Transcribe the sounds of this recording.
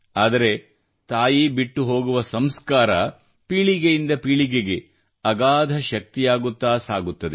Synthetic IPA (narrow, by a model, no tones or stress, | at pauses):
aːd̪ɐɾe̞ | t̪aːjibiʈːuɦo̞ːɡuʋɐsɐmskaːɾɐ | piːɭiɡejind̪ɐpiːɭiɡeɡe̞ | ɐɡaːd̪ʱɐʃɐk̚t̪ijaːɡut̪ːaːsaːɡut̪ːɐd̪e